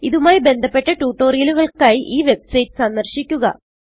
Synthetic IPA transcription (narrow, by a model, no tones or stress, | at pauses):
iðumaːjibe̞nd̪ʱɐpːe̞ʈːɐʈuːʈːo̞ːɾijɐluɣɐɭkaːjiʔiːʋe̞bsɐjʈɨ̥sɐnd̪ɐrɕikʲːuɣɐ̰